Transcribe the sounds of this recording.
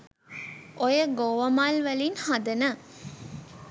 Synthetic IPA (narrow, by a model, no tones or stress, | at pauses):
ʔojəɡoːʋɐmaːlʋɐlinhɐd̪ɐnə